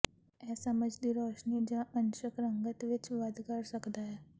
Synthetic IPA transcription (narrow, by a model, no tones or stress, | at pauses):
ɛːsəməd͡ʒd̪iɾoːʃnid͡ʒãʔənʃəkɾə̃ŋɡət̪ʋɪt͡ʃʋəd̪kəɾsəkd̪aɦɛː